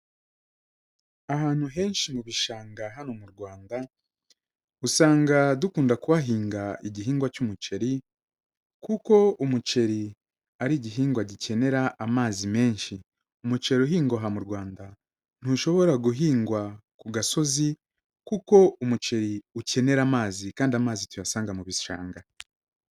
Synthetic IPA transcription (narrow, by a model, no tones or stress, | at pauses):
ahaːn̥huɦe̞ːnʃimuβiʃaːŋɡaɦanomuɾɡwaːnda | usaːŋɡadukuːndakuβaɦiːŋɡaiɟiɦiːŋɡwacumut͡ʃe̞ɾi | kuko̞umut͡ʃe̞ɾi | aɾiːɟiɦiːŋɡwaɟice̞ne̞ɾaːmaːzime̞ːnʃi | umut͡ʃe̞ɾuɦiːŋɡaɦamuɾɡwaːnda | n̥huʃo̞βo̞ɾaɡuɦiːŋɡwakuɡaso̞zi | kuko̞umut͡ʃe̞ɾiuce̞ne̞ɾamaːzikaːndiamaːzitujasaːŋɡamuβiʃa̰ːŋɡa